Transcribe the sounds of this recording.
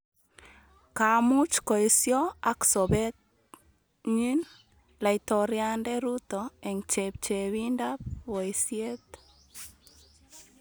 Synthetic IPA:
ka˨mʊ˦t͡ʃkɔ˨e˨sjɔ˦a˦ksɔ˨bɛ˦t | ɲi˦n | la˨itɔɾja˦ndɛ˦ɾu˦t̪ɔe˨ŋt͡ʃep̚t͡ʃe˨wi˦nda˦pwɔ˨isje˦t̪

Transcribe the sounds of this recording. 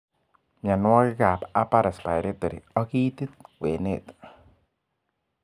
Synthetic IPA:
ɲa˨nwɔ˦kɪ˦ka˨pa˦pa˦ɾa˨spa˨jɾe˦t̪e˨ɾḭ˨ɔ˦ki˦t̪i˦t̪̚kwe˨ne˦˨t̪

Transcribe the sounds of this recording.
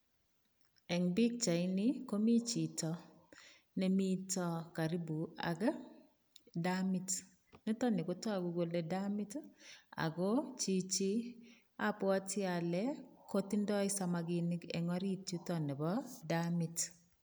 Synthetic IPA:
ɛ˨ŋbi˦k̚t͡ʃa˨ɪ˦nɪ˦ko˦mi˦t͡ʃi˨tɔ˨ | ne˦mi˦tɔ˦ka˨ɾi˦bu˨a̰˨ɡ | damɪ˦t | nɛ˦tɔ˦nɪ˨ɡo˨˦tɔ˦a˨ɡʊ˨ɡo˨le˦da˦mɪ˦ta̰˨ɡo˦t͡ʃi˦t͡ʃi˦ | a˦pɔ˦a˦tɪ˦a˨lɛ˦ko˦ti˦ndɔ˦ɪ˦sa˨ma˨ɡɪ˨nɪ˦ɡɛ̰˨ŋɔ˦ɾi˦tu˦tɔ˦nɛ˨bɔ˦da˦mɪ˨t

